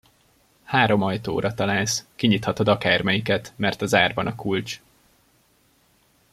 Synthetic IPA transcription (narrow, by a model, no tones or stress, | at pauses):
haːɾo̞mɒjt̪o̰ːɾɒt̪ɒlaːlskiɲit̪hɒt̪od̪ɒkaːrmɛjikɛt̪mɛrt̪ɒzaːrbɒnɒkult͡ʃ